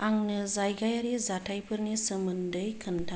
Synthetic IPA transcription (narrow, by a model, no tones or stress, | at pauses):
aŋnɯzajɡajaɾizatʰajpʰɯɾnisəmɯndɯjkʰɯntʰa